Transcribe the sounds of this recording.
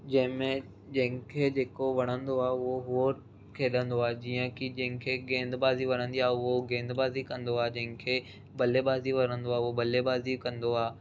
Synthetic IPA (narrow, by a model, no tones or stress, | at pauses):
d͡ʑɐ̃ɦɪ̃mẽ | d͡ʑɐ̃ɦɪ̃kʰeːd͡ʑeːkoʋɐɽ̃ə̃nd̪oaːʊɦoɦooɾ | kʰeːɗə̃nd̪oaːd͡ʑiːə̃kid͡ʑɐ̃ɦɪ̃kʰeːɡẽːnd̪baːziʋɐɽ̃ə̃nd̪iaːɦʊɦoɡẽːnd̪baːzikɐ̃nd̪oaːd͡ʑɐ̃ɦɪ̃kʰeː | bɐlebaːziʋɐɽ̃ə̃nd̪oaːobɐlebaːzikɐ̃nd̪oaː